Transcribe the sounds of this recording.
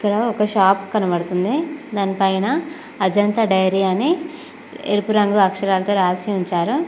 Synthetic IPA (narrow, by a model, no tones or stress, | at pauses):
ikːɐɽɐɔkɐʃaːpkɐnɐbɐɽut̪und̪id̪aːnipɐjnɐː | d͡ʒɐnt̪ɐɖɐjɾiːɐni | ḛɾupuɾɐŋɡuɐkʂɐɾaːlɐt̪oːɾaːsiuɲt͡ʃaːɾu